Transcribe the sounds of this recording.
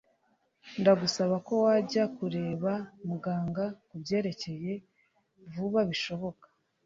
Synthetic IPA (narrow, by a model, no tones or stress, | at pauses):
ndaɡusaβako̞waɟakuɾe̞ːβamuɡaːŋɡakubɟe̞ːɾe̞ce̞je̞ | vuβaβiʃo̞βo̞kḁ